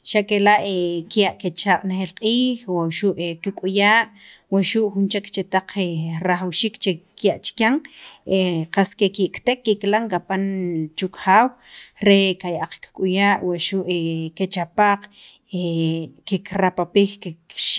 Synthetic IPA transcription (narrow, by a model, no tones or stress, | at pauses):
ʃaʔkelaʔekjaʔket͡ʃaqʼnexelqʼiːxwaʃuʔekikʼujaːʔwaʃuʔxunt͡ʃekt͡ʃet̪aq͡χʰeɾaxawʃiːkt͡ʃekjaʔt͡ʃi̥kjaŋeqaskekikʼt̪ekːiklaŋkapant͡ʃukxaːwɾekajaʔaq͡χkkʼujaːʔwaʔʃuʔeket͡ʃapaq͡χ | ekekɾapapixkekʃ